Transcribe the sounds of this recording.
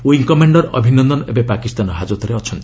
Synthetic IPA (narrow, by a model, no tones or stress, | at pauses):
oiŋkɔmeɳɖɔɾɔ̰bʱinɔnd̪ɔnɔebepakist̪anɔɦad͡ʒot̪ɔɾeɔt͡ʃʰɔnt̪i